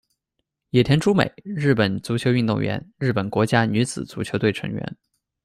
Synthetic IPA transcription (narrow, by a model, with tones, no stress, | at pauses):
jɛ˨˩t̪ʰjɛ˧˥nʈ͡ʂʰu˥mḛ˨˩ɪɻɻ̩˥˩pə˨˩nt͡su˧˥t͡ɕʰjo˧˥ʊy˥˧nt̪ʊ˥˩ŋɥɛ̰˧˥nɻɻ̩˥˩pə˨˩nkwɔ˧˥t͡ɕja˥ny˧˥t͡sɹ̩˨˩t͡su˧˥t͡ɕʰjo˧˥t̪we˥˩ɪʈ͡ʂʰɤ̰˧˥ŋɥɛ̰˧˥n